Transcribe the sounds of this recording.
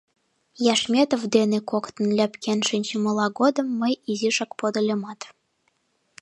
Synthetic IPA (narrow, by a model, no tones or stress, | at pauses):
jɑʃmʲet̪ovd̪enekokt̪ə̆nlʲæpkʰʲenʃinʲt͡ɕəmɤ̆lˠɑɡod̪ə̆mːəjiziʃɑkpod̪ɤ̆lʲemɑt̪